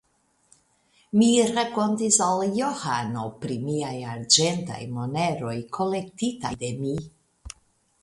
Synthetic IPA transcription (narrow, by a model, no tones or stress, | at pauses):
miɾako̞ntisaljohano̞pɾimiajaɾd͡ʒenta̰jmo̞ne̞ɾo̞jkʰo̞le̞k̚tita̰jde̞mi